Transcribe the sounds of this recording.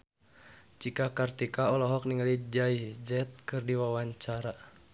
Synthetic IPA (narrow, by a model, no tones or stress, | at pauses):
t͡ʃikakart̪ikaɔlɔɦɔk̚niŋalid͡ʒaid͡ʒɛt̪̚kɨrdiwawaɲt͡ʃaɾa